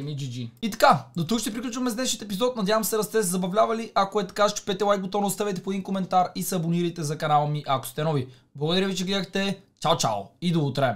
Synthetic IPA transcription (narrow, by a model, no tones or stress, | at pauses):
mid͡ʒid͡ʒiit̪ɐ̥kad̪ot̪ukʃt̪ɛpɾiklʲut͡ʃvɐmɛzd̪ɛʃijət̪ɛp̬izɔt̪̚nɐd̪ʲjavɐmsɛɾɐst̪ɛs̬ɛzɐbɐvlʲavɐliʔɐkoɛt̪ɐ̥kaʃt͡ʃɛ̥pɛt̪ɛlˠajɡot̪ɔvnost̪avɛt̪ɛ̥pod̪iŋkomɛnt̪aɾisːboniɾəjt̪ɛzɐkɐnalˠmiʔɐko̥st̪ɛnɔvi | blˠɐɡod̪ɐɾjəvit͡ʃɛɡɛd̪əxt̪ɛt͡ʃawt͡ʃa̰lˠid̪ɐut̪ɾɛ